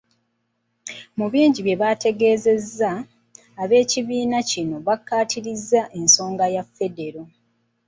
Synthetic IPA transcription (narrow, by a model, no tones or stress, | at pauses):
muβiːɲɟiβje̞βate̞ɡe̞ːze̞zːaː | βe̞ːciβiːnacino̞βakːaːtʰiɾizːaʔe̞nso̞ːŋɡajafːe̞de̞ɾo̞